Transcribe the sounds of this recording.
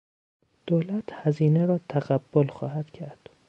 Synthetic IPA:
d̪̥oːlæt̪ʰhæziːneɾɒːt̪ʰæɣæbːolxɒ̰ːhæd̪̥cʰæɾd̪̥

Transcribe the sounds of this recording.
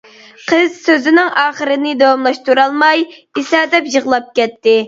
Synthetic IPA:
qʰəz̥søzɪnɪŋɑːχəɾɨnɨd̪ɑwɑmlˠɑʃt̪uɾɑlˠmɑjisɑːd̪ɛpjəʁlˠɑp̚kʲɛt̪ːɪ

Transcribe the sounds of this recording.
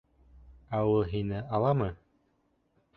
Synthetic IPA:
æwɤlˠɦinɘɑlˠɑmɤ

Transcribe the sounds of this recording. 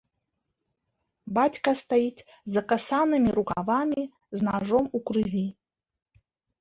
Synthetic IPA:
bat͡sʲkɐst̪ajit̪ | zakasanɨmʲiɾuka̰vamʲi | znaʐomukrɨvʲi

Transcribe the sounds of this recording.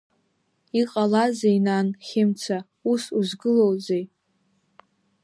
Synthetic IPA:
iqʼalazejnanχʲɪmt͡sʰa | usuzɡɨlowzej

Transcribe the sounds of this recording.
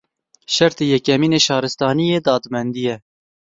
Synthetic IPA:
ʃɛɾt̪eːjɛkɛmiːneːʃɑːɾɨst̪ɑːnijeːd̪ɑːd̪mɛnd̪ijɛ

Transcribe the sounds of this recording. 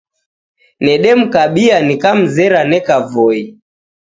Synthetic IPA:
nɛɗɛm̩kaɓianikam̩zɛɾanɛkavɔi

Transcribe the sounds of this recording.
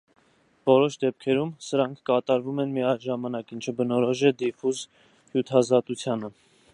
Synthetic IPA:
vɔɾɔʃd̪ɛp̚kʰɛɾumsəɾɑŋkʰkɑt̪ɑɾvumɛnmiɑʒɑmɑnɑkint͡ʃʰəbənɔɾɔʒɛd̪ifuz | hjut̪ʰɑzɑt̪ut͡sʰjɑnə

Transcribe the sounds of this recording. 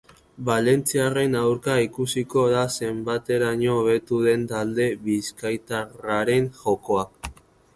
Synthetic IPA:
bale̞nt͡siare̞nawɾkaikusiko̞ðase̞mbat̪e̞ɾaɲoːβ̞e̞t̪uðe̞nt̪ald̪e̞βiskajt̪araɾe̞ŋxo̞ko̞ak

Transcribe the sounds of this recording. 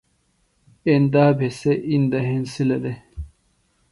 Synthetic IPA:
end̪aːbʱeseʔind̪ɐɦensilɐd̪e

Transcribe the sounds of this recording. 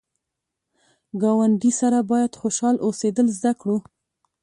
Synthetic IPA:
ɡɑwaɳɖisaɾabɑjad̪xoʃɑlʔosed̪əlzd̪akɽu

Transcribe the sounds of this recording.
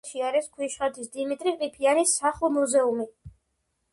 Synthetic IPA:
ʃiaɾɛskʰwiʃχat̪ʰisd̪imit̪ʼɾiqʼipʰianisːaχlˠmuzɛumi

